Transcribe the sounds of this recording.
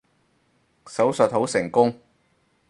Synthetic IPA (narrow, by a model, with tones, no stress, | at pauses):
sɐ˨˥wsɵ˨t̚ho˨˥wsɪ˨˩ŋkʊ˥ŋ